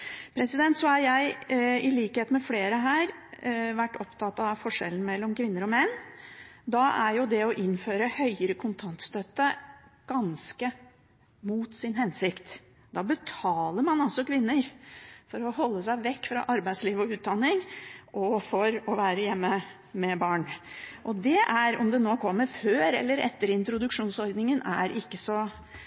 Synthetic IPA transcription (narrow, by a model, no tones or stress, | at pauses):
pʰɾɛsɪd̪ɛnt̪sɔhɑɾjæɪɪliːkəheːt̪mɛfleːɾəɦæːɾʋæʈːɔpt̪ʰɑt̪ːɑʋfɔʂɛ̰lən̩mɛlːɔmkʰʋɪnːəɾɔmɛnː | d̪ɑʔæɾjʊd̪ɛɔʔɪnføːɾəhœʏəɾəkʰʊnt̪ʰɑnt̪st̪œt̪ːəɡ̥ɑnskə | muːt̪sɪnɦɛnsɪkt̪ | d̪ɑːbət̪ʰɑːləɾmɑnɑlsɔkʰʋɪnːəɾfɔɾɔhɔlːəsæɪʋɛkːfɾɑ̰ʔɑɾbæɪd̪sliːʋɔʉːt̪̚d̪ɑnːɪŋʔɔfɔɾɔʋæːɾəjɛmːə | mɛbɑːɳʔɔd̪ɛʔæɾɔ̰md̪ɛnoːkʰɔmːəɾføːɾɛ̰lːəɾɛ̰t̪ːəɾɪnt̪ɾʊd̪ʉkʂuːnsɔɾd̪nɪŋənʔæɾɪkːəsɔ